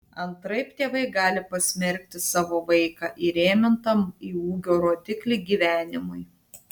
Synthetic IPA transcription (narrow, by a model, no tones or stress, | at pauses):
ɐnt̪ɾɐɪpt̪ʲeːʋɐɪɡɑːlʲɪpɐsʲmʲɛɾʲk̚ʲt̪ʲɪsɑːʋoːʋɐɪkɑːʔiːɾʲeːmʲɪnt̪ɐmiːuːɡʲoːɾoːt̪ʲɪklʲiːɡʲiːʋʲæːnʲɪmʊj